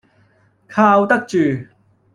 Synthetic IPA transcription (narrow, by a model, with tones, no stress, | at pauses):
kʰaː˧wt̪ɐ˥k̚t͡ʃyː˨